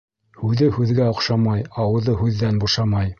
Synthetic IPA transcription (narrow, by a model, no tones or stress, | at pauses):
hʉðɘhʉðɡæŏqʃɑmɑjɑwɤ̆ðɤhʉðːænbuʃɑmɑj